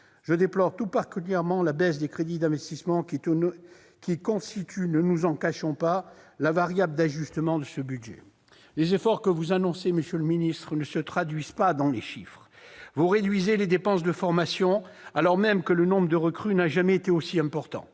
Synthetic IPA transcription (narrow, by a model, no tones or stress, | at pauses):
ʒəd̪eplɔʁt̪upaʁkʲyljɛʁmɑ̃labɛsd̪ekχed̪id̪ɛ̃vɛst̪ismɑ̃ | kʲikɔ̃st̪it̪ʰynənuzɑ̃kaʃɔ̃palavaʁjabld̪aʒyst̪əmɑ̃d̪əsəbyd̪ʒɛ̰ | lezefɔʁkəvuzanɔ̃seməsjøləminist̪χənəsət̪χad̪ɥizpad̪ɑ̃leʃifχ | vuʁed̪ɥizeled̪epɑ̃s̬d̪əfɔʁmasjɔ̃alɔʁmɛmkələnɔ̃bʁəd̪əʁəkχynaʒamɛet̪eosiɛ̃pɔʁt̪ɑ̰̃